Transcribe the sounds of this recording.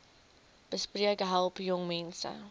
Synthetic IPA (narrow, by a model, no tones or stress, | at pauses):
b̥əspriəɡɦɛlˠpjʊŋmɛnsə̰